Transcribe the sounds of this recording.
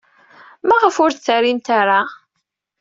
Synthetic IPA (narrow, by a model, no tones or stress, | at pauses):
maʁəfʊɾt͡sːaɾint̪aɾa